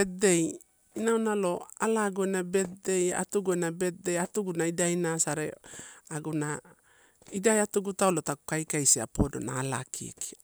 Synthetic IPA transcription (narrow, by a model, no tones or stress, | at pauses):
et̚de̞j | inawnalo̞alaɡuenabe̞t̚de̞ja̰tuɡuenabe̞t̚de̞jatuɡunaidajnasaɾḛaɡuna | idajatuɡutaolotaku̥kajkajsia̰podo̞̰na̰ːla̰kʰḭḛki̥